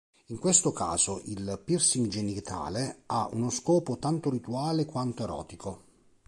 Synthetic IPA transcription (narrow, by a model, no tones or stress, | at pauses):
iŋkwest̪oka̰ːzoʔilpirsiŋd͡ʒenit̪ʰa̰ːleaʔunoskɔːpot̪ant̪oɾit̪uaːlekwant̪oeɾɔ̰ːt̪ikʰo